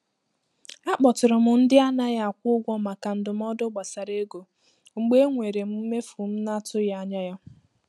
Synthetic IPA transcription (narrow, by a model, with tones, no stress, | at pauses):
a˦k͡pɔ˨tʊ˨ɾʊ˨mʊ˨n̩˦dɪ˦a˦na˦ja˦˨kʷʊ˦ɡʷɔ˦ma˨ka˨n̩˨dʊ˨m̩˦ɔ˦dʊ˦ɡ͡ba˨sa˨ɾe˦ɡo˨ | ŋ͡m̩˨ɡ͡be˦ŋʷe˨ɾe˨m̩˦m̩˦me˦fu˨m̩˦na˦tʊ˦ja˦ɲa˦ja˦